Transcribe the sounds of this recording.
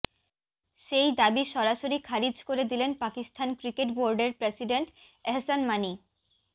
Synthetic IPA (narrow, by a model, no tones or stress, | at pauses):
ʃejd̪abiʃɔɾaʃoɾikʰaɾid͡ʑkoɾed̪ilenpakist̪ʰankɾikeʈboɾɖeɾpɾesiɖeɳʈ | ɛɦsanmani